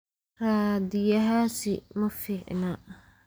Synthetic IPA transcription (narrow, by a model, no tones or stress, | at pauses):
ɾaːd̪ɪjɐɦaːsɪmɐfɪʕ̰na